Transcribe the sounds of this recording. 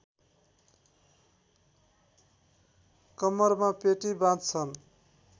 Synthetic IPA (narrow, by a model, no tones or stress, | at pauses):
kʌmʌrmapeʈibãt̪t͡sʰʌn